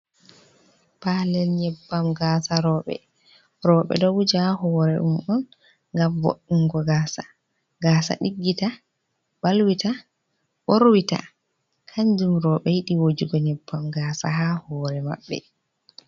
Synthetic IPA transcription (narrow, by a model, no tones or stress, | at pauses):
palɛlɲɛbːamɡaːsaɾɔːɓɛ̰ | ɾɔːɓɛ̰dɔwud͡ʒhahɔːɾɛʔumɔn | ŋɡamvo̰ɗːuŋɡɔɡaːsa̰ | ɡaːsa̰ɗiɡːita | balwita | ɓoɾwita̰ | kʰaɲd͡ʒumɾɔːɓɛjiɗiwod͡ʒiɡɔɲɛbːamɡaːsa̰ɦahɔːɾɛma̰ɓːɛ̰